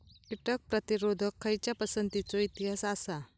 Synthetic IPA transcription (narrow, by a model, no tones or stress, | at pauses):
kiʈək̚pɾət̪iɾod̪ʱəkʰːəjt͡ɕjapəsənt̪it͡sɔit̪iɦasasa